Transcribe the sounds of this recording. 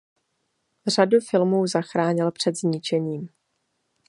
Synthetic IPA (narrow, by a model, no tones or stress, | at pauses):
r̝adufɪlmuːzaxɾaːɲɪlpr̝̥ɛd̪zɲɪt͡ʃɛɲiːm